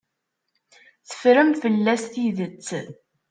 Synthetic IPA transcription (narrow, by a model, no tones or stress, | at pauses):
θə̥fɾəmfəlːæsθiðət͡sː